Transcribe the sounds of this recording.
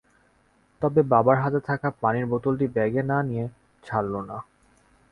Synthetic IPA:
t̪ɔbebabaɾɦad͡ʑet̪ʰakapaniɾbot̪olʈibɛɡenanije | t͡ɕʰalːona

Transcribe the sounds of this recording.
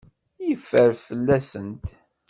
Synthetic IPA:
jəfːəɾfəlːæsənt̪

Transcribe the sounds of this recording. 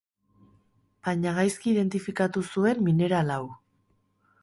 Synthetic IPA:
b̥aɲaɣ̞ajskiːðe̞nt̪ifikat̪usue̞mːine̞ɾalaw

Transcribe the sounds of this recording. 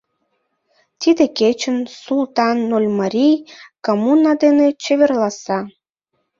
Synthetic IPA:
t̪id̪eket͡ɕənsulˠt̪ɑnːolʲmɑɾʲijkomunɑd̪enet͡ɕeβerlɑsɑ

